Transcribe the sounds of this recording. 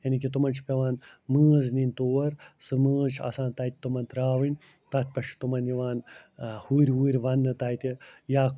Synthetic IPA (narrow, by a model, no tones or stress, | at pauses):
jɐnikit̪umɐnt͡ʃʰpʲeʋaːn | mɨːznint̪oːɐɾsɨmɨːt͡ʃʰɐ̰sãːnt̪aːjt̪ʲit̪umɐnt̪ɾaːʋinʲ | t̪ɐt̪̚ʰʲpɐʃt̪umɐnjiʋaːnhuːɾʲʋuːɾʲʋɐnːɨt̪aːjt̪ʲijaː